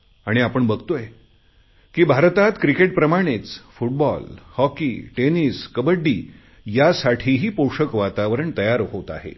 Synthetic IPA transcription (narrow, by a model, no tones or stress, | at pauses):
aɽ̃iapəɳbəɡt̪oe | kiːbʱaɾt̪at̪kɾikeʈ̚pɾəmaɽ̃et͡sfuʈ̚bɔlhɔkḭʈeniskəbəɖːiː | jasaʈʰiːɦiːpoʂəkʋat̪aʋɾəɳt̪əjaɾɦot̪a̰ɦḛ